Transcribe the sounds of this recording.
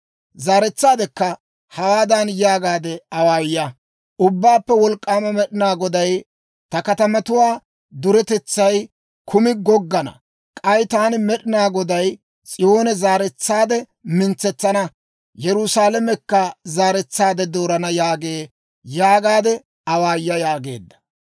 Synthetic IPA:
zaːɾɛt͡sːaːd̪ɛkːɐ | hɐwaːd̪ɐnjaːɡaːd̪ɛɐwaːjjɐ | ʔʊbːaːpːɛwɔlkʼːaːmɐmɛɗɪnaːɡɔd̪ɐj | t̪ɐkɐt̪ɐmɐt̪ʊwaː | d̪ʊɾɛt̪ɛt͡sːɐj | kʰʊmɪɡɔɡːɐnɐ̰ | kʼɐjt̪aːnɪmɛɗɪnaːɡɔd̪ɐj | t͡sʼɪjo̞ːnɛzaːɾɛt͡sːaːd̪ɛ | mɪnt͡sːɛt͡sːɐnɐ | jɛɾʊsaːlɐmɛkːɐzaːɾɛt͡sːaːd̪ɛd̪o̞ːɾɐnɐjaːɡeː | jaːɡaːd̪ɛ | ɐwaːjːɐjaːɡe̞̰ːd̪ːɐ̥

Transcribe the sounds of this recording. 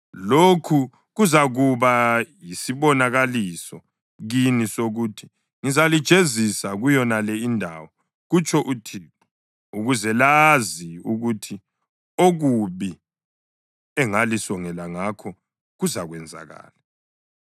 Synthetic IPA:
lokʰu | ɣuzaɣuβajisiβɔnaɣalisɔ | ɣinisoɣutʰi̥ | ŋizalid̥ʒ̥ʱezisaɣujɔnalɛindʱa̰wɔ | ɣut͡ʃʼʰɔʔutʰiːkɔ | uɣuzɛlaziuɣutʰi | oɣuβi | ɛŋalisɔŋɛlaŋakʰɔ | ɣuzaɣwɛnd͡zʱa̰ɣa̰ːla

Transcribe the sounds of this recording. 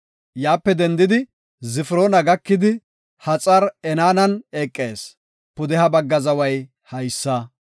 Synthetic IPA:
jaːpːɛd̪ɛnd̪ɪd̪ɪ | zɪfɾo̞ːnɐɡɐkːɪd̪ɪ | hɐt͡sʼɐɾɛnaːnɐneːkʼːe̞ːs | pʊd̪ɛhɐbɐɡːɐzɐwɐj | hɐjsːɐ

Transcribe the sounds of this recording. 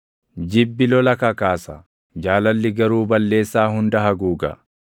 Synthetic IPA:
d͡ʒɪbːɪlɔlɐkɐkaːsɐ | d͡ʒaːlɐlːɪɡɐɾuːbɐlːe̞ːsːaːhʊnd̪ɐɦɐɡuːɡɐ̰

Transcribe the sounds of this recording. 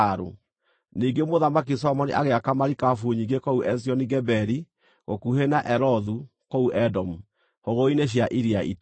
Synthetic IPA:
ɾṵ | niːŋɡemoðamak̬is̬ɔmɔnḭʔaɣeakamaɾikafuɲiŋɡekouʔɛs̬jɔniɡɛbɛɾi | ɣokuhenaʔɛɾɔðu | kouʔɛdɔmu | hoɣoineɕ̬jaʔiɾiaḭt

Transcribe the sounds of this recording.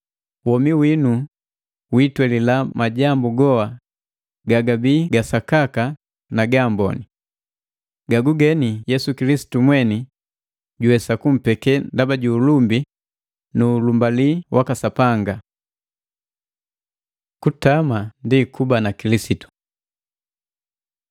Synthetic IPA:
wɔmiwinu | witwɛlilamaɟambuɡɔa | ɡaɡabiːɡasakaka | naɡambɔ̰ni | ɡaɡuɡɛnijɛsukilisi̥tumwɛni | ɟuhɛsakum̩pɛkɛndabaɟuːlumbi | nuːlumbaliwʔakasapaŋɡa | kutamandikubanakilisitu̥

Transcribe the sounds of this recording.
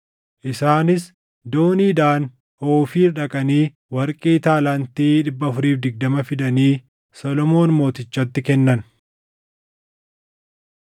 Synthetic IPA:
ʔɪsaːnɪs | d̪o̞ːniːd̪aːn | oːfiːɾᶑɐkʼɐniː | wɐɾkʼiːt̪aːlɐnt̪iːᶑɪbːɐːfʊɾiːfd̪ɪɡ̚d̪ɐmɐfɪd̪ɐniː | sɔlɔmo̞ːnmo̞ːt̪ɪt͡ʃːɐt̪ːɪkɛnːɐn

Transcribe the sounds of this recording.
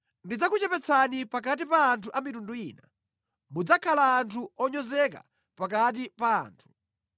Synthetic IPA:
ndid͡zakut͡ʃɛpɛt͡sʰanipak̬at̬ipaːntʰuʔamitunduiːna | mud͡zakʰalaːntʰuɔɲɔzɛka̰ | pak̬at̬ipa̰ːntʰu̥

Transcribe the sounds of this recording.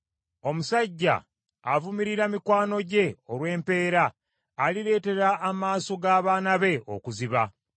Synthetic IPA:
o̞musaɟːa̰ | a̰vumiɾiɾamikwaːno̞ɟe̞oɾwe̞ːmpe̞ːɾaː | liɾe̞ːte̞ɾaːmaːso̞ɡaːβaːnaβe̞o̰kuziβa

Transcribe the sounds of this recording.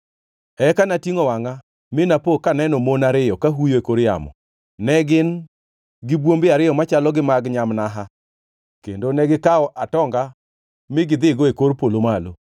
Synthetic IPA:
ɛkanatiŋɔwaŋa | mɪnapokanɛnɔmonaɾɪjɔkaɦujoekoɾja̰mɔ̰ | nɛɡɪn | ɡɪbwombɪaɾɪjɔmat͡ʃalɔɡɪmaɡɲamnaɦa | kḛndonɛɡɪkaɔʔatɔŋɡa | mɪɡɪd̪ɪɡɔekoɾpolomalo

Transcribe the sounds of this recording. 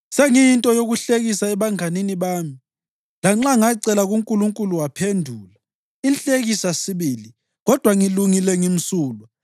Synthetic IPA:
seŋintʼɔjoɣuɬeɣisaɛβaŋaniniβaːmi | laŋ͡ǁaŋaǀɛlaɣuŋkʼuluŋkʼuluwapʰendʱuːla | inɬʼeɣisasiβiːli | ɣɔd̥ʱwaŋiluŋilɛŋim̩suːlɔ

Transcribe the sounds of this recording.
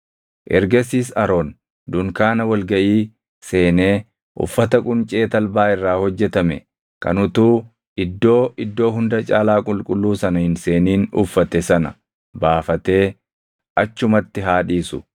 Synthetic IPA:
ʔɛ̰ɾɡɐsiːsɐɾo̞ːn | d̪ʊŋkaːnɐwɐlɡɐʔiː | se̞ːneː | ʔʊ̰fːɐt̪ɐkʼʊnt͡ʃʼe̞ːt̪ɐlbaːɪrːaːhɔd͡ʒːɛt̪ɐmɛ | kɐ̰nʊt̪uː | ɪd̪ːo̞ːʔɪd̪ːo̞ːɦʊnd̪ɐt͡ʃʼaːlaːkʼʊlkʼʊlːuːsɐnɐhɪnse̞ːniːnʊ̰fːɐt̪ɛsɐnɐ̰ | baːfɐt̪e̞ː | ʔɐt͡ʃːʊmɐt̪ːɪɦaːᶑiːsʊ

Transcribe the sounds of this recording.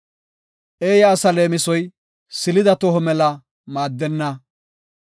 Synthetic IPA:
ʔe̞ːjɐːsɐle̞ːmɪsɔj | sɪlɪd̪ɐt̪ɔɦɔmɛlɐ | maːd̪ːɛnːɐ

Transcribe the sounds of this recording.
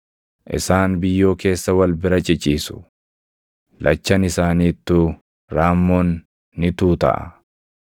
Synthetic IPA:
ʔɪ̰saːnbɪjːo̞ːke̞ːsːɐwɐlbɪɾɐt͡ʃʼɪt͡ʃʼːiːsʊ̥ | lʔɐt͡ʃːɐnɪsaːniːt̪ːʊ | ɾaːmːoːnː | ɪt̪uːt̪ɐ̰ʔɐ̰

